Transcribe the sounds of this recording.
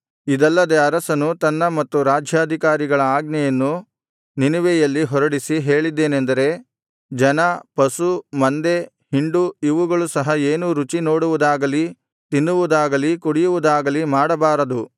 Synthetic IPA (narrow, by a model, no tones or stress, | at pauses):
id̪ɐlːɐd̪e̞ɐɾɐsɐnut̪ɐnːɐmɐt̪ːuɾaːd͡ʒʱjaːd̪ʱikaːɾiɡɐɭɐaːɡnɛjɐnːu | ninuʋɛjɐlːiɦɔɾɐɽisiɦe̞ːɭid̪ːe̞ːnend̪ɐɾe̞ | d͡ʒɐnɐpɐsumɐnd̪e̞ | hiɳɖuiʋuɡɐɭusɐɦɐe̞ːnuɾut͡ʃino̞ːɽuʋud̪aːɡɐli | t̪inːuʋud̪aːɡɐlikuɽijuʋud̪aːɡɐlimaːɽɐbaːɾɐd̪u